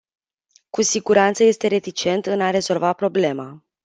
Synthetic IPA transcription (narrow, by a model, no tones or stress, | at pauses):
kusiɡuɾant̪səje̞st̪e̞ɾe̞t̪it͡ʃe̞nt̪ɨnaɾe̞zo̞lvapɾo̞ble̞ma